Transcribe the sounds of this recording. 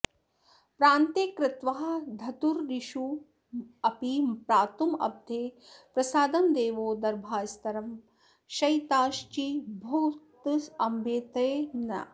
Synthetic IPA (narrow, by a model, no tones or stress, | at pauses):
pɾaːnt̪ekɾɪt̪ʋɐɦɐ̆d̪ʱɐt̪uɾɾiʃu | ɐpipɾaːt̪umɐ̰b̚d̪ʱeː | pɾɐsaːd̪ɐmd̪eːʋoːd̪ɐɾbʱaːst̪ɐɾɐm | ʃɐjt̪aːʃt͡ʃibʱut̪sɐmbeːt̪ɐjnɐ̰